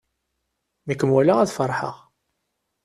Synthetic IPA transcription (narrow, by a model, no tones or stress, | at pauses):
nəkːəmwælaæðfəɾˤħə̰ʁ